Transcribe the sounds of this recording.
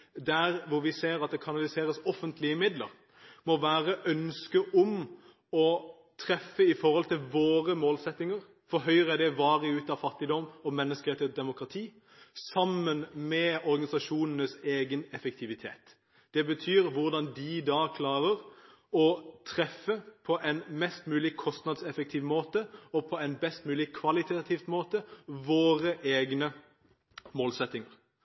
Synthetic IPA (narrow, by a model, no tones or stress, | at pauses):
d̪æʁʋʊɾʋɪseːɾɑt̪̚d̪ɛkʰɑnɑlɪseːɾəsɔfənt̪ʰlɪəmɪd̪lə̰ɾ | mɔʋæːʁəʔœnskəʔɔm | ɔ | t̪ʰʁɛfːəɪfɔɾhɔlt̪ɪlʋoːɾəmoːlsɛt̪nɪŋəʁ | fɔɾɦœʏʁəæd̪ɛʋɑːɾəʉːt̪ɑʋfɑt̪ːɪd̪ɔmɔmɛnːəskəɾɛt̪əd̪ɛmʊkɾɑt̪ʰiː | sɑmːənmɛɔɾɡɑnɪsɑʃuːnənəseːɡənɛfəkt̪ʰɪʋɪt̪ʰeːt̪ | d̪̥ɛbət̪ʰyːɾʋʊʁd̪ɑnd̪ɪd̪ɑːkʰlɑːʁəɾ | ɔt̪ʰʁɛfːəpʰɔʔɛɪnmɛst̪mʉːlɪkʰɔst̪nɑd̪sɛfək̚t̪ʰɪːʋmoːt̪əɔpʰɔɛnbɛst̪mʉːlɪkʰʋɑlɪt̪ʰɑt̪ʰɪːft̪moːt̪əʋoːɾəʔeːɡnə | moːlsɛt̪ːɪŋəʁ